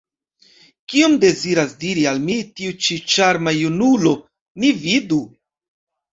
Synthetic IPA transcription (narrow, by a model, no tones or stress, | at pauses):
kiomde̞ziɾasdiɾialmitiut͡ʃit͡ʃaɾmajunulo̞ | nividu